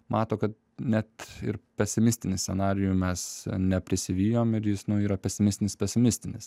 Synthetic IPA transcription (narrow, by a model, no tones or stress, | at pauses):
mɑːt̪oːkɐt̪̚ | nʲɛt̪ɪ̰ɾpʲɛsʲɪmʲɪsʲt̪ʲɪnʲɪsʲsʲɛnɑːɾʲɪjuːmʲɛsnʲɛpʲɾʲɪsʲɪʋʲiːjoːmɪɾjɪsnʊiːɾɐpʲɛsʲɪmʲɪst̪ʲɪnʲɪspʲɛsʲɪmʲɪsʲt̪ʲɪnʲɪs